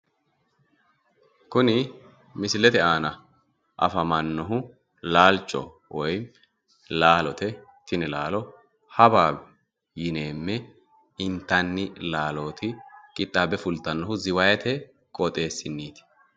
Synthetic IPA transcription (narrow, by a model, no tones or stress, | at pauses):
kʊnɪ | mɪsɪlɛt̪ɛʔaːnɐ | ʔɐ̰fɐmɐnːɔɦʊ | laːlt͡ʃʼːɔ̰ | wɔj | laːlɔt̪ɛ | t̪ɪnɪlaːlɔ | hɐbaːbɛ | jɪne̞ːmːɛ | ɪnt̪ːɐnːɪlaːlo̞ːt̪ʰɪkʼɪt̪ʼːaːbɛfʊlt̪ːɐnːɔɦʊzɪwɐjɛt̪ʰɛ | kʼɔt̪ʼe̞ːsːɪnːiːt̪ɪ̥